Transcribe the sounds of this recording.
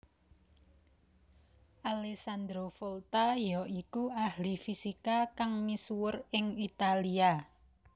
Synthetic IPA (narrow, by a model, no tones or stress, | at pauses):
ʔalesand̪ɾofolt̪ajɔʔikuʔahlifisikakaŋmisuwərɪŋit̪alia